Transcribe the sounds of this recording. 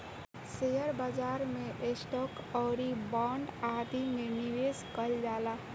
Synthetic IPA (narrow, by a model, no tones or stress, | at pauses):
sejəɾbad͡ʒaːɾmeʔesʈɔkɔːɾibaɳɖaɾd̪imeniʋeskəld͡ʒaːla